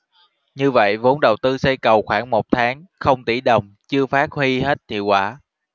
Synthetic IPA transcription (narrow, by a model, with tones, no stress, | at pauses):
ɲɨ˧və̰˧˨jvo˨˦nɗə˨˩wt̪ɨ˧sə˧jkə˨˩wxwaː˧˩ŋmo˨˩t̚t̪ʰaː˨˦ŋxə˧wŋ͡mt̪i˧˩ɗə˨˩wŋ͡mt͡ɕɨ˧əfaː˦˥t̚hwi˧ɦe˦˥t̚t̪ʰḭ˧˨əwkwaː˧˩